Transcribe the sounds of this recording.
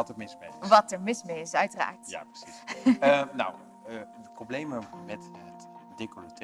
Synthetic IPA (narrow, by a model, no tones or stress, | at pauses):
ɑtəɹmɪsmeʋɑtəɹmɪsmeɪsœɥtəra̰ːɹtja̰ːprə̥sisəna̰w | dəproblejməmɛtətd̥ekolətʰ